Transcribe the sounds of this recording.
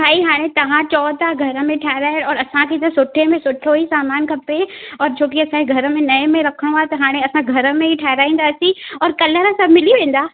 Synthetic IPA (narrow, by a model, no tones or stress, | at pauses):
bʱaːiɦaːɽ̃et̪ɐʋãt͡ɕɔːt̪aɡʱɐɾə̆mẽʈʰaːɦɪɾaːjɽɔːɾɐsãkʰet̪ɐsʊʈʰemẽsʊʈʰoisaːmaːnkʰɐpeɔːɾt͡ɕʰoːk̬iɐsãkeɡʱɐɾə̆mẽnɐ̃mẽɾɐkʰəɽ̃oaːt̪ɐɦaːɽ̃ẽɐsãɡʱɐɾə̆mẽɦiʈʰaːɦɪɾaːĩːnd̪aːsĩɔːɾkɐləɾə̃sɐbmɪliʋẽːn̆d̪aː